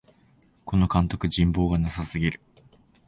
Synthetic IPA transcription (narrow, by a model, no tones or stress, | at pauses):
ko̞no̞kãnt̪o̞kɯ̟d͡ʑĩmbo̞ːɡanasasɨɡʲiɾɯ̟